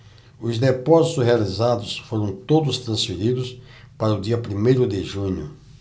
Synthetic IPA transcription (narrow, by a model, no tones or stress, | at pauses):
ʊzd̪epɔzit̪ʊshealizad̪ʊsfoɾɐ̃w̃t̪od̪ʊst̪ɾɐ̃sfeɾid̪ʊs | paɾɐʊd̪iɐpɾimejɾʊd̪ɪʒũɲʊ